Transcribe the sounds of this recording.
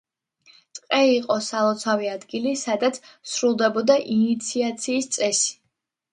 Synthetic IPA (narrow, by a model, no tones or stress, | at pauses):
t̪ʼqʼɛiqʼɔsalˠɔt̪sʰaviad̪ɡilisad̪at̪sʰsɾulˠd̪ɛbɔd̪aʔinit̪sʰiat̪sʰiːst̪sʼɛsi̥